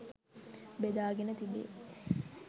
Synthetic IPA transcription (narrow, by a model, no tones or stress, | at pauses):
bed̪aːɡenət̪ibḛ